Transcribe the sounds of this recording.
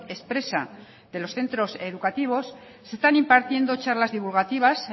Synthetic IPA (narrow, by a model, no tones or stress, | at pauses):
e̞spɾe̞sa | ðe̞lo̞sθe̞nt̪ɾo̞se̞ðukat̪iβ̞o̞sː | est̪animpaɾt̪je̞nd̪o̞t͡ʃaɾlazðiβ̞ulɣ̞at̪iβ̞as